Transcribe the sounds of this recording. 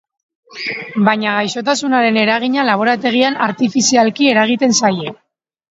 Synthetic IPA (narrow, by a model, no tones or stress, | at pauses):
baɲaɣ̞ajso̞t̪asunaɾe̞ne̞ɾaɣ̞iɲalaβ̞o̞ɾat̪e̞ɣ̞ianaɾt̪ifisialkie̞ɾaɣ̞it̪e̞nsaje